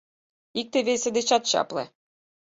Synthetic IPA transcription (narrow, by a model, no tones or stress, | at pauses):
ik̚t̪eβesĕd̪et͡ɕɑt̪ɕɑ̰plɤ̰̆